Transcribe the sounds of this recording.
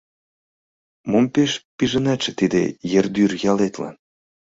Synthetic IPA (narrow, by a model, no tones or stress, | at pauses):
mompeʃpiʒə̆nɑʃĕt̪id̪ḛjerd̪yrjɑlet̪lɑ̰n